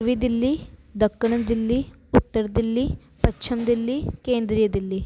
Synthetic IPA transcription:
ʋiːd̪ɪlːiːd̪əkːəɳ̃d̪ɪlːiː | ʊt̪ːəɾd̪ɪlːiː | pətːt͡ʃʰəmd̪ɪlːiːkẽːnd̪ɾijəd̪ɪlːiː

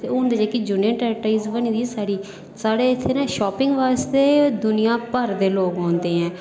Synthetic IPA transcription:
t̪eːʊ̃ːnd̪eːd͡ʒeːkɪd͡ʒʊnəɳʈɛːʈaizʋənĩːd̪iːsaːɽiː | saːɽeːɪt̪ʰːeːnãːʃɔːpɪŋɡʋaːst̪eːd̪ʊnɪjãːpəɾd̪eːloːɡɦɔ̃ːnd̪eːɦɛ̃ː

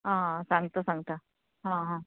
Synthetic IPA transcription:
ɦãsãŋɡt̪əsãŋɡt̪a | ɦãɦã

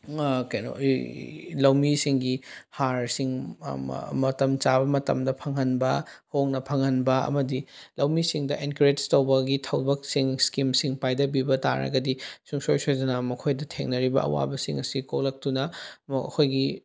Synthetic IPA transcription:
kajno̰ | lɐwmisiŋɡihaɾsiŋ̰ | mɐtɐmt͡ʃabɐmɐtɐ̰mdɐpʰɐŋɦɐnbɐhoŋnɐpʰɐŋɐnbɐɐ̰mɐdilɐwmisiŋdɐʔenkɾetstɐwbɐɡitʰɐwbɐk̚siŋskimsiŋpajdɐbibɐta̰ɾɐ̰ɡɐdisuŋsojsojzɐnɐmɐkʰojdɐtʰeŋnɐɾibɐ̰ɐ̰wa̰bɐsiŋɐsikok̚lɐk̚tunɐkʰojɡi

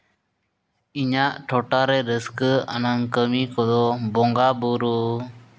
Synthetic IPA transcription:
iɲaʔʈʰɔʈaɾɛɾəskəa̰naŋkəmikɔd̪ɔbɔŋɡabuɾu

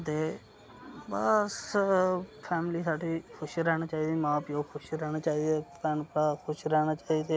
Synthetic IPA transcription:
t̪eː | bəs | pʰɛːmliːsaːɖiːkʰʊʃɾɛːñaːt͡ʃaːiːd̪eːmãːpjoːkʰʊʃɾɛːɽaːt͡ʃaːiːd̪ɛːpɛnpəɽaːkʰʊʃɾɛːñaːt͡ʃaːiːd̪eː

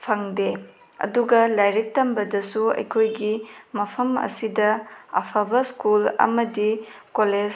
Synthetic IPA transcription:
pʰɐŋde | ɐ̰duɡɐlajɾik̚tɐmbɐdɐsuɐ̰jkʰojɡimɐpʰɐmɐ̰sidɐɐ̰pʰɐbɐskulɐ̰mɐdikoled͡ʒ

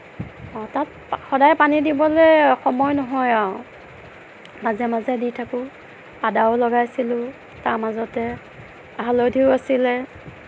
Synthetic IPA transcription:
ɔtat̚ | xɔdajpanidibɔlɛxɔmɔjnɔɦɔjaw | mazɛmazɛditʰakʊ | adaʊlɔɡajsilʊ | taɹmazɔtɛ | aɦalodʱiʊasilɛ

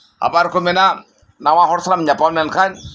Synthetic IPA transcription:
a̰baɾkɔmɛna | nawaɦɔɾsaɾamɲapamɛnkan

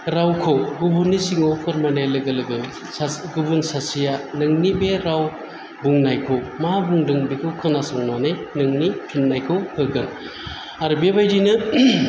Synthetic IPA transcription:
ɾawkʰowɡubunːisiŋowkʰɯɾmanajlɯɡɐlɯɡɯ | ɡubunsasijanɯŋnibeɾaw | buŋnajkʰowmabuŋdɯŋbikʰɯwkʰɯnasɔŋnanɯjnɯŋnipʰinːajkʰɯwhʰɯkɯn | aɾɯbebajdinɯ

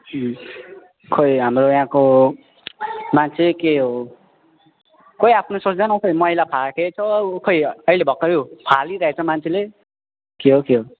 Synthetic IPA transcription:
kʰojɦamrojãko | mant͡sʰelekeɦo | kojapʰnosot͡sd̪anʌkʌjmʌilapʰaket͡sʰʌkʰojʌilebʱʌkːʌɾiopʰaliɾʌɦet͡sʰʌmant͡sʰele | kiɦokiɦo

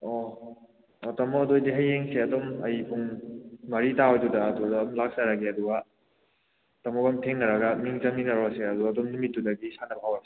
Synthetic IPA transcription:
ɔ | ɔtɐmɔkːdojdiɦɐjːeŋseɐdomɐjpʰuŋmɐɾitawjdudɐːdudɐːmlak̚saɾaɡeɐduɡɐ | tɐmɔkɐmtʰeŋnɐɾɐɡɐmiŋzɐmninɐɾoseɐduaɐdomnumitːudɐɡisanɐbɦawase

